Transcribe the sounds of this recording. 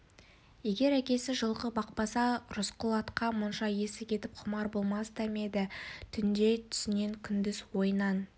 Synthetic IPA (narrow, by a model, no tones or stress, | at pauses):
je̞ɡʲe̞ɾækʲe̞sɪʒəlˠʁəbɑq̚pɑsɑɾʊsqʰʊlˠɑt̪qɑmʊnʃɑje̞sɪkʲʰe̞t̪ɪp̚qʰʊmɑɾbo̞lˠmɑst̪ʰæme̞d̪ɪt̪ʰʏnd̪e̞t̪ʰʏ̥sɪne̞ŋkʲʰʏnd̪ɪzwo̞jənɑn